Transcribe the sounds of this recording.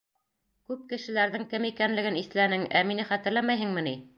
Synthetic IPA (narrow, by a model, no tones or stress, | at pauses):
kʉp̚kɘ̆ʃɘ̆læɾðɘŋkɘmikænlɘ̆ɡɘniθlænɘŋæminɘχæt̪ɘ̆ɾlæmæjɦɘŋmɘ̆ni